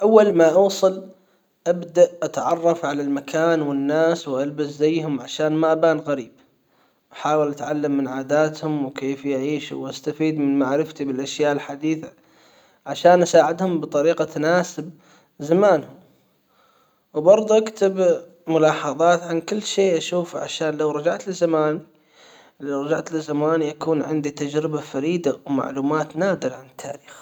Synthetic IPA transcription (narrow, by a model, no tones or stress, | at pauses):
ʔawːalmaʔuːsˤɨl | ʔabd̪aʔʔat̪ʕɑrˤːɑfʕalalmakʰaːnwɪnːaːswʔalbaszajːhʊmʕaʃaːnmaʔabaːnɣaɾiːb | ʔaħaːwɪlʔat̪ʕalːamːɪnʕaːd̪aːt̪hʊmwkeːfjaʕiːʃṵwʔast̪afiːd̪mɪnmaʕɾɪft̪ibɪlʔaʃjaːʔɪlħad̪iːθa | ʕaʃaːnʔasaːʕɪd̪hʊmbɨt̪ˤɑɾiːqat̪ʰanaːsɪb̚ | zamaːnhʊm | wbɑɾˤd̪ˤʔakt̪ɪb | mʊlɑːħɑðˤɑːt̪ʕankɪlːʃeːʔaʃuːfʕa̰ʃaːnlawɾˤɑd͡ʒaʕt̪lɪzːamaːni | lawɾˤɑd͡ʒaʕt̪lɪzamaːnijakuːnʕɪ̰nd̪it̪ad͡ʒɾɪbafaɾiːd̪awma̰ʕluːmaːt̪naːd̪ɪɾʕanɪt̪ʰːa̰ːɾiːx